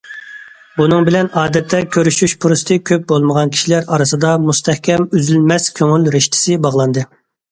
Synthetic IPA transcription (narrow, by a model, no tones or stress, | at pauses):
bunɨŋbɪlɛnɑːd̪ɛt̪ʰːɛkʲʰøɾyʃyʃpʰuɾust̪ʰɨkʲʰøp̚bolˠməʁɑnkʲʰi̥ʃilæɾɑɾɨsɨd̪ɑmust̪ʰɛhkʲʰɛmyzylmɛskʲʰøŋylɾɪʃt̪ʰɪ̥sɪbɑʁlˠɑnd̪ɨ